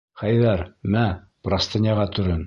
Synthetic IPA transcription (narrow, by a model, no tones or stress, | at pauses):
χæjðæɾmæ | prast̪ɤ̆nʲɑʁɑt̪ɵ̆ɾɘn